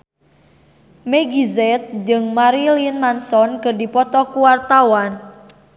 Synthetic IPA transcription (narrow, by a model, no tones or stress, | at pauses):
meɡizɛt̪̚d͡ʒɨŋmaɾilinmansɔnkɨrdipɔt̪ɔkuwart̪awan